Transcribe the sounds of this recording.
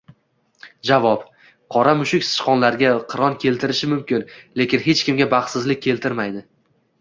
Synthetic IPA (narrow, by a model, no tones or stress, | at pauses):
d͡ʒavɒp | qʰɒɾamʊʃɪkʲsɪ̥ʃqɒnlaɾɡʲaqʰɨɾɒnkʲʰe̞lt̪ʰɪɾɪʃɪmʊmkʲɪnle̞kʲɪnɦe̞t͡ʃkʲɪmɡʲabaχt̪sɪzlɪkʲʰːe̞lt̪ʰɪɾmajd̪ɪ